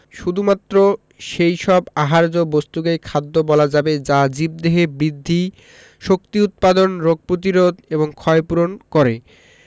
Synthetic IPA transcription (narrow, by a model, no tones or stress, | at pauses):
ʃud̪ʱumat̪ːɾo | ʃejʃɔbaɦaɾd͡ʑobost̪ukejkʰad̪ːobɔlad͡ʑabed͡ʑad͡ʑib̚d̪eɦebɾid̪ʱːi | ʃok̚t̪iut̪̚pad̪onɾoɡ̚pɾot̪iɾod̪eboŋkʰɔepuɾonkɔɾe